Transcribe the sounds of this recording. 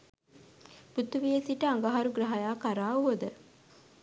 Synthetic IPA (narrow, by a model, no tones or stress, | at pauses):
put̪ːuʋijesiʈəaŋɡaɦaɾuɡɾɐɦajaːkaɾaːuəd̪ə